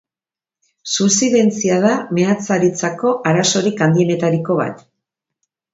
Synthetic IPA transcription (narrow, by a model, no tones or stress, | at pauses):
susiðe̞nt͡siað̞ame̞at͡saɾit͡sako̞ʔaɾaso̞ɾikand̪iene̞t̪aɾiko̞β̞a̰t̪